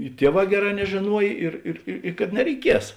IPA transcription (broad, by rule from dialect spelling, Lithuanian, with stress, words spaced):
ɪ ˈtʲiɛˌʋɑː ˈɡʲæːˌrɑː nʲɛʒʲeːˈnuɔj ˈɪr ɪr ɪ kɐt nʲɛrʲɛɪˈkʲiɛs